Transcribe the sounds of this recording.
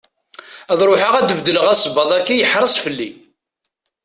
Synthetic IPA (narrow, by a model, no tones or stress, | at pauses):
æðˤɾˤoħaʁæd̪əbd̪ːələʁæsˤbɑðˤækːijəħɾˤəsˤfəlːḭ